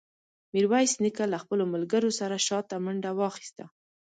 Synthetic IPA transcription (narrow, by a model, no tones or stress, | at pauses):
miɾwajsnikalaxpəlomalɡəɾosaɾaʃɑt̪ːamaɳɖawɑxi̥st̪a